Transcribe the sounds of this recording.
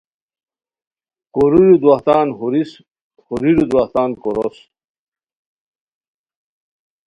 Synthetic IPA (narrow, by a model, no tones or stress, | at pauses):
koɾiɾud̪waht̪aːnhuɾis | huɾiɾud̪waht̪aːnkoɾos